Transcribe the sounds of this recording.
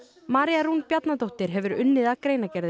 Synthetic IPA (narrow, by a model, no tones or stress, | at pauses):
maːɾijaɾunpjat̪nat̪owht̪ɪɾ̥ɦɛvʏɾʏnːɪðakɾeːjnacɛɾðɪ